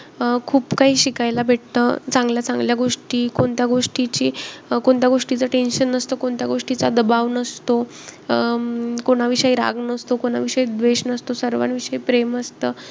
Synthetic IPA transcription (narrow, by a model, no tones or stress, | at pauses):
kʰuːpkaɦiːɕikajlabʱeʈt̪əːt͡sãŋɡljat͡sãŋɡljaɡoʂʈiːkoɳt̪jaɡoʂʈit͡ɕiːkoɳt̪jaɡoʂʈit͡saʈenɕənəst̪əːkoɳt̪jaɡoʂʈit͡sad̪əbaʋnəst̪o | koɽ̃aʋiʂəjɾa̰ɡnəst̪okoɽ̃a̰ʋiʂəid̪ʋeɕnəst̪osəɾʋa̰nʋiʂəipɾeməst̪əː